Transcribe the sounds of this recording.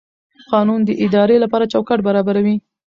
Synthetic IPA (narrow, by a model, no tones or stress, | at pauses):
qɑnund̪əʔɪd̪ɑɾelapɑɾat͡ʃawkaʈbaɾɑbaɾawi